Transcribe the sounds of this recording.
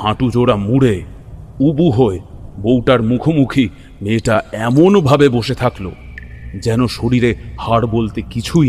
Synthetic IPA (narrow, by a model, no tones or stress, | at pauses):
hãʈud͡ʑoɽamuɽe | ubuɦoebowʈaɾmukʰomukʰi | meʈaɛmonbʱabeboʃet̪ʰaklod͡ʑɛnoʃoɽiɾehaɽbolt̪ekit͡ɕʰu